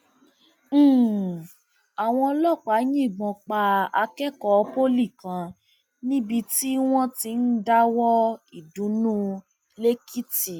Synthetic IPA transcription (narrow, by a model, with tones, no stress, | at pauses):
a˨w̃ɔ̃˧ɔ˧lɔ˦˨k͡pa˨˦jĩ˦˨ɡ͡bɔ̃˧k͡pa˧a˧kɛ˦kɔ˧˦˧po˦li˦˨kã˧ | nĩ˦bi˧ti˦w̃ɔ̃˦ti˧˦n̩˦da˦wɔ˦i˨dũ˨˦nũ˦ | le˦ki˦ti˨